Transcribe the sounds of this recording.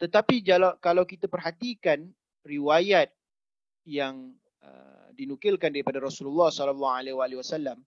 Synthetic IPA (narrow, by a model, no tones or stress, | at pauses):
t̪ət̪apid͡ʒalakalawkit̪apərɦat̪ikan | riwajat̪̚ | jaŋ | ə̰ | dinukɪlkandaɾipadaɾɔsululːɑhsɔlɔlːɔalewaːliwasalːam